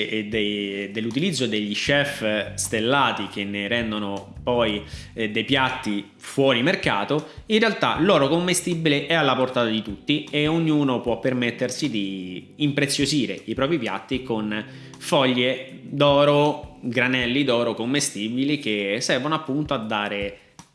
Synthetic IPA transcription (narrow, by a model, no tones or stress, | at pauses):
d̪ed̪elːut̪ilid̪zːod̪eʎːiʃɛfst̪elːaːt̪ik̟enːeɾɛnd̪onopɔj | d̪ejpjat̪ːi | fwɔːɾimerkaːt̪oinrːealt̪a̰lɔːɾokomːest̪ibileʔɛalːaport̪aːt̪ad̪it̪ut̪ːieoɲːuːnopwɔpːermet̪ːersid̪iː | mpɾet̪sːjoziːɾeipɾɔːp̬ɾipja̰t̪ːikon | fɔʎːe | d̪ɔːɾoɡɾanɛlːid̪ɔːɾokomːest̪iːbilik̟esːɛrvonoapːunt̪oad̪ːaːɾe